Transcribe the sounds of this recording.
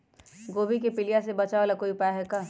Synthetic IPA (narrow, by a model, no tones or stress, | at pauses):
ɡoːbik̬epɪlijasebɐt͡ʃaːolakoːipaːɦɛka